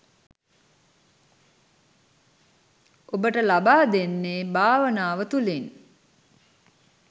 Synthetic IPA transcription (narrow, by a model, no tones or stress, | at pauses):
obəʈəlabaːd̪enːeːbaːʋənaːʋət̪ulin